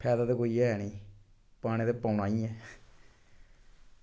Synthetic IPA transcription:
pʰɛːd̪aːd̪eːkoːiɛːɦɛːniː | paːñẽːd̪epəːʊnãːĩːɛː

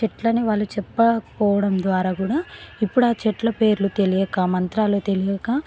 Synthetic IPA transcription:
t͡ʃɛʈlɐniʋaːɭːut͡ʃɛpːɐpɔːʋɐɽɐmd̪ʋaːɾaːkuːɽaːipːuɽaːt͡ʃɛʈlɐpe̞ːɾulut̪elijɐkaːmɐnt̪ɾaːloːt̪e̞lijɐkaː

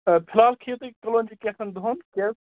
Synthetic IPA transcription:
pʰilaːlkʰit̪ikkəlond͡ʒikesɐnd̪ʱonkes

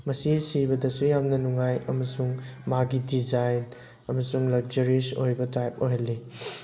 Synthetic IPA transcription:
mɐsisibɐdɐsujamnɐnuŋajɐmɐsuŋmaɡidid͡ʒajn | ɐmɐsuŋlɐk̚d͡ʒɐɾisojbɐtajp̚oɦɐlːi

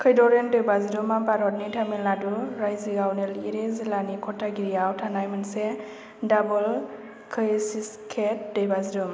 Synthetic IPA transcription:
kʰɯjdɔɾendɯjbazidumabaɾɔt̚nitʰamilnaduɾajziɡawneliɾezilanikʰɔtʰːaɡiɾijawtʰanajmanse | dabul | kʰɯjsiskʰet̚dɯjbazidum

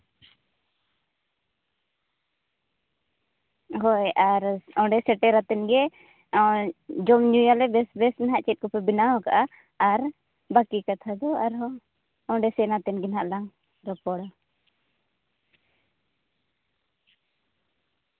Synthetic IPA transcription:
ɦɔjʔaɾɔ̃ɖɛsɛʈɛɾat̪ɛnɡɛ | d͡ʒɔmɲujalɛbɛsbɛsnɦaʔt͡ʃɛt̪̚kɔpɛbinaɦɔkaʔaː | ɾ | bakikat̪ʰad̪ɔaɾɦɔ | ɔ̃ɖɛsɛnat̪ɛnɡɛnɦaʔlaŋ | ɾɔpɔɽa

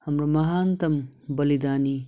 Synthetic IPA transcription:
hɐmɾɐmɐɦaːnt̪ɐmbɐlid̪aːni

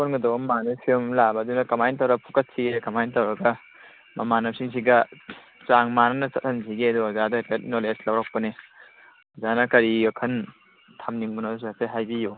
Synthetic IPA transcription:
ponɡɐdowɐmanɐpʰiumlabɐdunɐkɐmajntɐwɾɐɡpʰukɐt̚siɡekɐmajntɐwɾɐɡɐ | mɐmanɐsiŋs̬iɡɐ | t͡ʃaŋmanɐnɐt͡ʃɐt̚hɐnsiɡiɐduɐzadɐtet̚noleslɐwɾɐk̚pɐne | ɐzanɐkɐɾiɐkʰɐn | tʰamniŋbunɐdusateɦajbiju

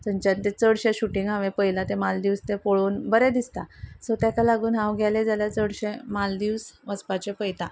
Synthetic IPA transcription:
t͡səɲt͡ɕant̪et͡səɽɕẽɕuʈiŋɡɦãʋẽpəjlat̪emald̪iʋst̪epoɭoːnbəɾɛd̪ist̪asot̪jakalaɡuːnɦãwɡʱjaled͡zaljat͡səɽɕẽmald̪iʋsʋəspat͡ɕepəjt̪a

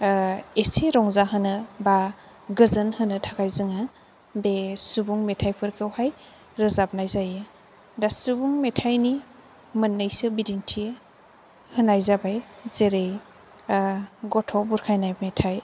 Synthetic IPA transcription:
esiɾɔŋzaɦɯnɯba | ɡɯzɯnhɯnɯtʰakʰajzɯŋa | besubuŋmetʰajpʰɯɾkʰɯwhaj | ɾɯzap̚najzajɯ | dasubuŋmetʰajni | mɯnːɯjsɯbidintʰi | hɯnajzabajzeɾej | ɡɔtʰɔbuɾkʰajnajmetʰaj

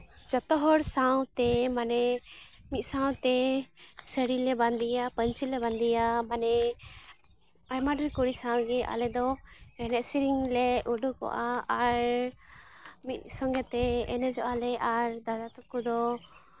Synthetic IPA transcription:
d͡ʒɔt̪ɔɦɔɾsawt̪ɛmanɛ | mit̪̚ˀsaw̃t̪ɛ | səɽilɛband̪ijapəɲt͡ʃilɛband̪ijamanɛ | ajmaɖɾikuɽisãw̃ɡɛʔa̰lɛd̪ɔɛnɛʔsiɾiŋlɛʔuɖukɔ̰ʔaaɾ | mit̪̚sɔŋɡɛt̪ɛɛnɛd͡ʒɔʔalɛʔaɾd̪ad̪at̪ukud̪ɔ

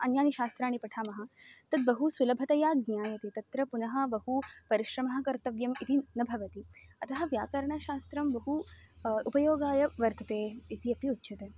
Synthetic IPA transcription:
ɐnjaːniʃaːst̪ɾaːɽ̃ipɐʈʰaːmɐɦɐt̪ɐd̪̚bɐɦusulɐbʱɐt̪ɐjaːɡ̚njaːjɐt̪et̪ɐt̪ɾɐpunɐɦɐ̆bɐɦupɐɾiʃɾɐmɐɦɐ̆kɐɾt̪ɐʋjɐmit̪inɐbʱɐʋɐt̪iɐt̪ɐɦɐ̆ʋjaːkɐɾɐɳaʃaːst̪ɾɐmbɐɦuupɐjoːɡaːjɐʋɐɾt̪ɐt̪eːit̪ʰiɐpiutːɕɐt̪e

